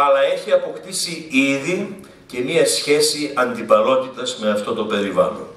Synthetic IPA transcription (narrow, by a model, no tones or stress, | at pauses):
ɐlɐe̞çiɐpo̞kt̪isiiði | ce̞miɐsçe̞siɐnd̪ipɐlo̞t̪it̪ɐzme̞ɐft̪o̞t̪o̞pe̞ɾivɐ̰lon